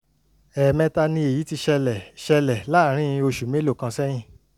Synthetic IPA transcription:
ɛ˨mɛ̃˧ta˧nĩ˧e˨ji˨˦ti˧ʃɛ˧lɛ˨ʃɛ˧lɛ˨la˦˨ɾ̃ĩ˦ĩ˧o˧ʃu˨me˨˦lo˦˨kã˧sɛ˦j̃ĩ˦˨

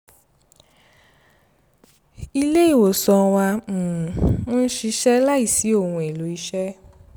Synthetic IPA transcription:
i˧le˦i˦˨wo˨sɔ̃˧wã˧˨ũ˦ʃi˧ʃɛ˦la˦i˦˨si˨˦o˦˨ũ˧˨e˨lo˨˦i˧ʃɛ˦

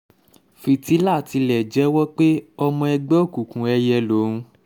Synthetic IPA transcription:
fi˨ti˨˦la˦˨ti˧lɛ˨d͡ʒɛ˨˦wɔ˦k͡pe˦ɔ˧mɔ̃˧ɛ˧ɡ͡bɛ˦˨ku˨kũ˨˦ɛ˧jɛ˧lo˨˦ɾũ˧

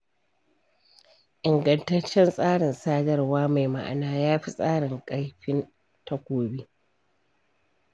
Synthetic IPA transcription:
ʔɪ˨ŋɡɐ˨ntɐ˦t͡ʃːɛ˦nsʼaː˦ɽɪ˨nsaː˦dɐ˦rwaː˦ma˨jma̰˦ʔa̰˨naː˦jaː˦ɸi˦sʼaː˦ɽɪ˨ŋkʼa˦jɸɪ˦n | tʰɐ˦kʷoː˨biː˦

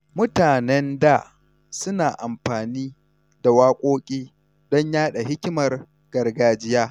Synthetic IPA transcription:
mʊ˦taː˨nɛ˦nda˦˨ | sʊ˦naː˨ʔa˨mɸaː˨niː˦ | da˨waː˦kʷʼoː˦kʲʼiː˦ | d̥ɔ˦ɲjaː˦ɗa˨ɦɪ˦kʲɪ˦mɐ˨r | ɡ̥ɐ˨rɡaː˦d͡ʒɪ˦jaː˦

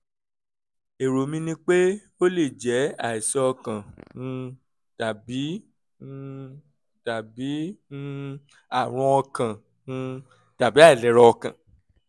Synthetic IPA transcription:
e˨ɾo˨mĩ˧nĩ˧k͡pe˦ | o˦le˦˨d͡ʒɛ˨˦a˦˨i˨sɛ˧ɔ˧kã˨nũ˧ | d̥a˨bĩ˨˦ | d̥a˨bĩ˨˦ | a˦˨ɾ̃ũ˧˦ɔ˧kã˨ | nũ˧ | d̥a˨bi˨˦a˦i˨lɛ˨˦ɾɔ˧ɔ˧kã˨

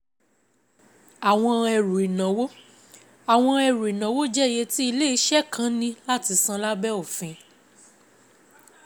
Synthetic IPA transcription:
a˨w̃ɔ̃˧ɛ˧ɾu˨i˨nã˨wo˦ | a˨w̃ɔ̃˧ɛ˧ɾu˨i˨nã˨wo˦d͡ʒɛ˦˨je˧ti˦i˧le˦i˧˦ʃɛ˦˨kʰã˨˦nĩ˧˦la˦ti˧sã˧la˦bɛ˦o˦˨fĩ˨˧

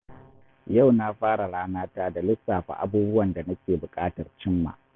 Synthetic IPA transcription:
ja˦˨wna˦ɸaː˦ɽa˨ɽaː˦naː˦taː˦da˨lɪ˦saː˨ɸa̰˨ʔa̰˦buː˦bʊ˦wɐ˨nda˨nɐ˦kʲeː˨bʊ˨kʼaː˦tɐ˨rt͡ʃɪ˦mːa̰ː˨

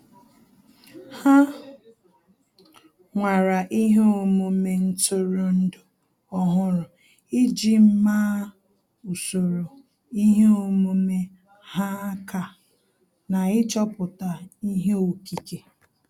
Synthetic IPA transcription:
ha˦ | ŋʷa˨ɾa˨ʔi˦ɦe˦o˨mu˦me˦n̩˦tʊ˦ɾo˨n̩˦dʊ˨ | ɔ˦ɦʊ˦ɾʊ˨ | ɪ˦d͡ʒi˦m̩˦maː˦ | u˨so˨ɾo˨ | i˦ɦe˦o˦˨mu˦me˦ | ha˦ka˨ | na˨ɪ˦t͡ʃɔ˦pʊ˨ta˨i˦ɦe˦o˨ki˨ke˨

